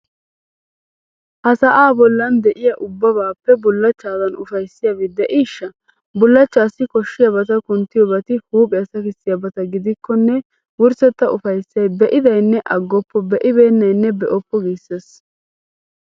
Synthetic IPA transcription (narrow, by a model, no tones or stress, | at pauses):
hɐsɐʔaːbɔlːɐnd̪ɛʔɪjɐʔʊbːɐβaːpːɛbʊlːɐt͡ʃːaːd̪ɐnʊfɐjsːɪjɐʋɪd̪ɛʔiːʃːɐ | bʊlːɐt͡ʃːaːsɪkɔʃːɪjɐbɐt̪ɐkʊnt̪ːɪjɔbɐt̪ɪhuːpʼɛɐsɐkɪsːɪjɐbɐt̪ɐɡɪd̪ɪkːɔnːɛ | wʊɾsɛt̪ːɐʔʊfɐjsːɐjbɛʔɪd̪ɐjnːɛʔɐɡːɔpːɔbɛʔɪbeːnːɐjnːɛbɛʔɔpːɔɡiːsːes